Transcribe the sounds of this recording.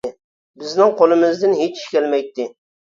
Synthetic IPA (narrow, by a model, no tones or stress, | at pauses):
bɪznɪŋqʰolˠɪmɪzd̪ɪnɦet͡ʃi̥ʃkʲɛlmɛjt̪ːɪ